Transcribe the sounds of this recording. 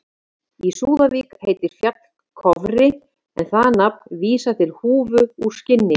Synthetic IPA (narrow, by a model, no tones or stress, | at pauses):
isuːðaviːkheːjt̪ɪɾ̥fjat̪l̥ | kʰɔvɾɪ | ɛnθaðnapviːsat̪ʰɪlhuːvʏu̥scɪnːɪ